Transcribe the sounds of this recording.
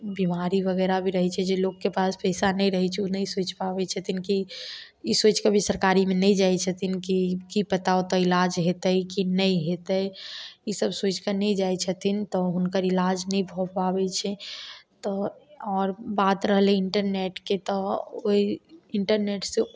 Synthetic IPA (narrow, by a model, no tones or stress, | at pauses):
bimaɾiʋəɣɛːɾabʱiɾəɦɛt͡ʃʰɛd͡ʒeloɡkepaːspɛɪsanəĩɾəɦɛt͡ʃʰɛunəĩsoːt͡ʃpabɛt͡ʃʰət̪ʰinki | isoːt͡ʃkəbʱisəɾkaːɾimẽnəĩd͡ʒaːet͡ʃʰət̪ʰinkikipət̪aot̪ɔɪlad͡ʒɦet̪əikinəĩɦet̪əisəbsoːt͡ʃkanəĩd͡ʒaːet͡ʃʰət̪ʰint̪ɔɦʊnkəɾɪlaːd͡ʒnəĩbʱopabɛt͡ʃʰɛt̪ɔɔːɾbaːt̪ɾəɦleɪɳʈəɾneʈket̪ɔoiɪɳʈəɾneːʈse